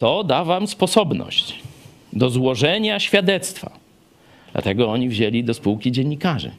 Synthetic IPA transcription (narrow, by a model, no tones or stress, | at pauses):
t̪ɔd̪avamspɔsɔbnɔ̰ɕt͡ɕ | d̪ɔzwɔʐɛɲaɕfʲjad̪ɛt̪st̪fa̰ | d̪la̰t̪ɛɡɔɔɲivʑelʲid̪ɔspuwkʲid͡ʑɛɲːikaʐɘ̰